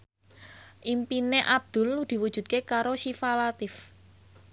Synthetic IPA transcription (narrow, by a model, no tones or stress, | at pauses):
ʔimpineʔab̚d̪̥ʊ̤lːud̪̥i̤wud̥ʒ̥ṳd̪̚kekaɾoʃifalat̪ɪf